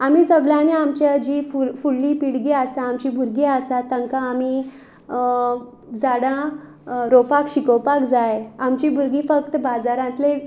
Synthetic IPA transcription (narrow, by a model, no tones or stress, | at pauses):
amiːsəɡɭjãneamt͡ɕad͡ʑifuɭːĩpiɽɡiasãːmt͡ɕibʱuɾɡiasat̪ːãŋkãːmi | d͡zaɽã | ɾopakɕikəwpakd͡zajamt͡ɕibʱuɾɡifək̚t̪əbad͡zaɾãt̪le